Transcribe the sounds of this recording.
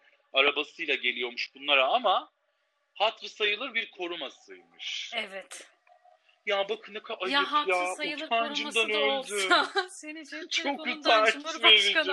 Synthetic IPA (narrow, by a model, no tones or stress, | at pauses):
aɾabasɯjlˠaɟe̞lʲijo̞ɾmuʃbunlˠaɾaama | hat̪ɾɯsajɯlˠɯɾbiɾkʰo̞ɾumasɯ̰jmɯ̰ʃɛvɛt̪ | jaːbakʰɯnɯkʰaʔajɯɦjaand͡ʒɯmd̪anød̪yenit͡ʃʰokiaiveebilʲd͡ʒ